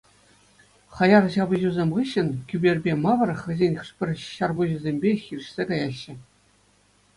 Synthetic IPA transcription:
χɑjɑrɕɑbɤ̆ʑuzʲemʲʁɯɕːɘ̆nkʲybʲerʲbʲemɑʋɤ̆rχɘ̆zʲenʲχɯʂpʲɘ̆rʲɕɑrbuʑuzʲemʲbʲexʲirʲɘ̆ɕsʲekɑjɑɕːɘ̆

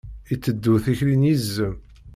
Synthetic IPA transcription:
it͡sːəd̪ːuθiçɾinjizːəm

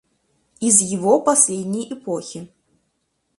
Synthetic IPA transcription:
izjiɣɔpasʲlʲed̪ʲnʲɐjʔɛpɔxʲi

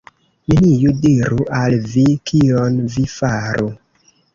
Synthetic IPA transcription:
minijudiɾuʔalvikionvifaɾu

